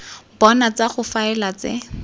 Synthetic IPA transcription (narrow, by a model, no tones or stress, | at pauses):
bɔnat͡saχʊfaɛlat͡sɪ̰